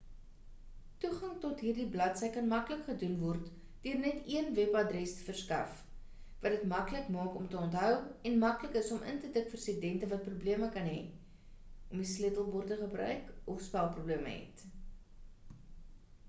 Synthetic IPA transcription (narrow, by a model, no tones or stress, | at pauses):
tuχɐŋtɔtɦiːrdiblɐtsəjkɐnmɐkləkχədunvɔrt | d̥øərnɛtiənvɛpɐdrɛstə̥fərskɐ̰f | vɐdətmɐkləkmɑːkɔmtəɔntɦœwɛnmɐkləkəsɔmʔə̰ntətəkfərsədɛntəvɐt̚prubliəməkɐnɦɛ̰ | ʔɔmislitəlˠbɔrtəχəbrœ̰ɥkɔfspælˠprubliəmə̰ɦɛ̰t